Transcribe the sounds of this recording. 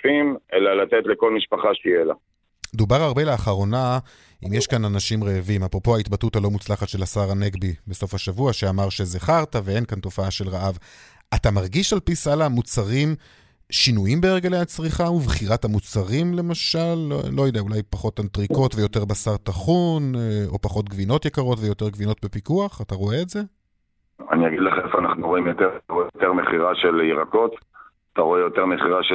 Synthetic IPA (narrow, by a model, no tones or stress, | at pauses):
fimelalat̪et̪leko̞lmiʃpaχaʃejela̰ | med̪ubaʁaʁbeleaχaʁo̞na | imjeʃkananaʃimʁeːvimapʁo̞po̞ait̪batutalo̞mut͡slaχatʃe̞lasaʁane̞ɡbibeso̞faʃavuaʃeamaʁʃe̞zeχaʁtave̞e̞nkanto̞faaʃe̞lʁaʔav | atamaʁɡiʃalpisalamut͡saʁim | ʃinujimbeːʁɡelejhat͡sʁiχaubχiʁathamut͡saʁimle̞maʃalːojod̪eaulajpaχo̞tantʁiko̞tvejo̞te̞ʁbasaʁtaχunopaχo̞tɡvino̞tjekaʁo̞tvejo̞te̞ʁɡvino̞tbe̞pikuaχataʁo̞eːtze̞ | a̰niaɡid̪leχaefoanaχnuʁo̞imjotetaʁoejoteʁmeχiʁaʃeliʁako̞t̪ | at̪aʁo̞ejo̞te̞ʁmeχiʁaʃ